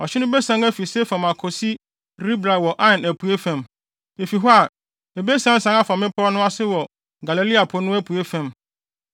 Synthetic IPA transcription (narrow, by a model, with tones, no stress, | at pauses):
ɔ˨t͡ɕʰɪ˦nʊ̃˦bɛ˦sã˨˦ŋæ˦fi˨sɛ˦fã˨ma˨kʰɔ˨si˦ | ɾi˦bɾa˨wɔ˨ʔã˦˨næ˨pu˨e˦fæ̃˨m | e˨fi˨ɦɔ˦a˨ | e˨be˦sã˦n̩˦sã˨ŋa˦fã˨mɪ̃˦pʰɔ˦nʊ̃˦a˦sɪ˦wɔ˨ | ɡa˨le˨li˦a˨pʰʊ˨nʊ̃˦æ˦pʰu˨e˦fæ̃˨m